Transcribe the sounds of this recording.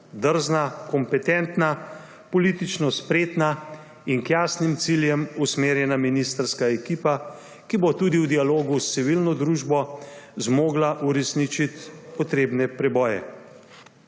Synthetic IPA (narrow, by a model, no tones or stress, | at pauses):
d̪əɾznakɔmpɛt̪ɛnt̪na | pɔlit̪it͡ʃnɔspɾeːt̪na | inkjaːsnimt̪siljɛmusmeːɾjɛnaminist̪əɾskaɛkiːpa | kibot̪uːd̪iwd̪ialoːɡust̪siʋilnɔd̪ɾuːʒbɔzmoːɡlaʔuɾɛsnit͡ʃit̪pɔt̪ɾeːbnɛpɾɛbɔːjɛ̰